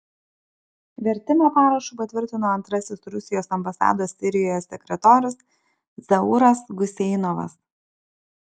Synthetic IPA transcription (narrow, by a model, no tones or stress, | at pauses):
ʋʲɛɾʲt̪ʲɪmʲoːpɑːɾɐʃuːpɐt̪ʲʋʲɪɾʲt̪ʲɪnoːɐnt̪ɾɐsʲɪsɾʊsʲɪjoːsɐmbɐsɑ̰ːd̪oːsːʲɪɾʲɪjoːjosʲɛkʲɾʲɛt̪oːɾʲɪs | zɐʊɾɐsɡʊsʲɛɪnɔʋɐ̰s